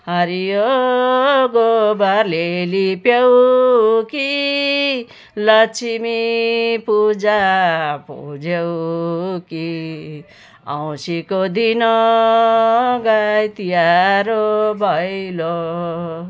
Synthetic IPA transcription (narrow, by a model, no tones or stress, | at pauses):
hʌɾijo | ɡobaɾlelipjew | ki | lʌt͡sʰimipud͡zapo̰d͡zew | ki | a̰w̃sikod̪inɔ | ɡajt̪ijaɾobʱʌjlo